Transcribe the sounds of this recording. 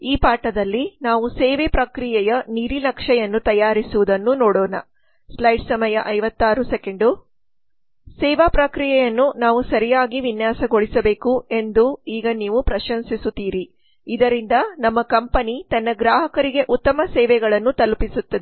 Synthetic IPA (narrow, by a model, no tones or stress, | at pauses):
iːpaːʈɐd̪ɐlːinaːʋusɛːʋɛpɾɐkɾijɛjɐniɾinɐkʂɛjɐnːut̪ɐjaːɾisuʋud̪ɐnːunɔːɽɔːnɐ̰ | slɐjɖsɐmɐjɐʔɐjʋɐt̪ːaːɾuseke̞ɳɖu | sɛːʋaːpɾɐkɾijɛjɐnːunaːʋusɐɾijaːɡiʋinjaːsɐɡoɭisɐbe̞ːkue̞nd̪uiːɡɐniːʋupɾɐʃɐnsisut̪iːɾiː | d̪ɐɾind̪ɐnɐmːɐkɐmpɐnit̪ɐnːɐɡɾaːɦɐkɐɾiɡe̞ʔut̪ːɐmɐsɛːʋɛɡɐɭɐnːut̪ɐlupisut̪ːɐd̪e